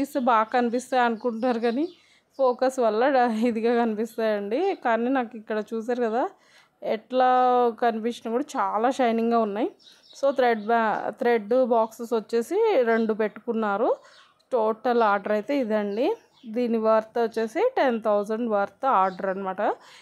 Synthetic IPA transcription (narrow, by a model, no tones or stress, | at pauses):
ist̪eːbaːɡɐkɐnipist̪aːjɐnukuɳʈaːɾukɐni | pʰoːkɐsʋɐlːɐid̪iɡaːkɐnipist̪aːjɐɳɖikaːniːnaːkuikːɐɽɐt͡ʃuːs̬aːɾukɐd̪aː | ɛʈlaːkɐnipiʂɐnkuːɽat͡ʃaːlaːʃɐjniŋɡaːunːaːji | so̞ːt̪ɾeɖt̪ɾeɖbaːksesʋɐt͡ʃːe̞ːsiɾe̞ɳɖupe̞ʈːu̥kunːaːɾu | ʈoːʈɐlaːɾɖɐɾɐjt̪e̞ːid̪ɐɳɖi | d̪iːniʋɐɾt̪ʋɐt͡ʃːe̞ːsiʈent̪ʰɐwzɐɳɖʋɐɾt̪aːɾɖɐɾɐnɐmaːʈɐ